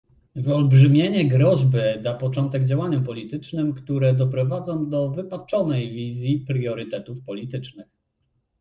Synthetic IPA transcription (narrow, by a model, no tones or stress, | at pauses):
vɔlbʐɘmʲjeɲɛɡɾɔʑbɘd̪apɔt͡ʂɔnt̪ɛɡd͡ʑawaɲɛmpɔlʲit̪ɘt͡ʂnɘmkt̪uɾɛd̪ɔpɾɔvad̪zɔ̃w̃d̪ɔvɘpat͡ʂɔnɛjvʲizʲjipɾjɔɾɘt̪ɛt̪ufpɔlʲit̪ɘt͡ʂnɘx